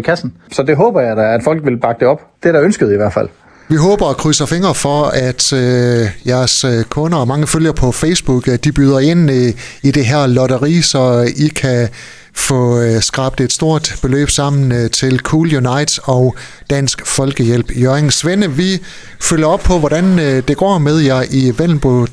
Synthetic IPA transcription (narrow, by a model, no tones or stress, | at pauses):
kʰæsn̩sɒ̽d̥e̝ɦɔ̰ːb̥ɐjɑ̈ɪdaæd̥fɒ̽l̰ɡ̥ʋe̝lb̥ɑ̈ɡ̥əd̥eɒ̽b̥d̥eɾɑønsɡ̥əð̩ˠiʋæɐ̰̥fæl̰ | ʋiɦɔ̽ːb̥ɐːkʰʁyːsɐfe̝ŋɐfɒ̽æd̥øjæɐskʰɔ̽nɐɒ̽mɑ̈ŋəføl̰jɐpʰɒ̽feɪsb̥uɡ̥d̥ib̥yːð̞ˠɐe̝n̰ | id̥e̝ɦæɐ̰lɒɾɐʁḭːsɒ̽ikʰæ | fɔ̽sɡ̥ʁɑ̈b̥d̥e̝d̥sd̥o̝ɐ̰d̥b̥e̝lø̰ːb̥sɑ̈m̰n̩t͡sʰe̝lkʰuːljunɑ̈ɪ̰d̥sɒʊ | d̥æn̰sɡ̥fɒ̽lɡ̥əjel̰b̥jøɐeŋsʋenəʋi | føljɐɒ̽b̥̚pʰɒ̽ʋɒɾ̥ænd̥e̝ɡ̥ɒ̰ːmeð̞ˠjɑʔiʋenb̥o